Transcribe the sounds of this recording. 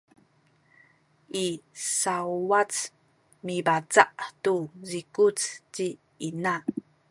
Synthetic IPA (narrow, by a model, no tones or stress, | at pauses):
ʔisauwat͡s | mibat͡saʔtuzikut͡sci | ina